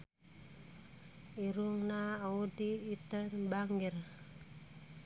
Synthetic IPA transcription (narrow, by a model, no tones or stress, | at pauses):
iɾuŋnaːwudiːtənbaŋɡiɾ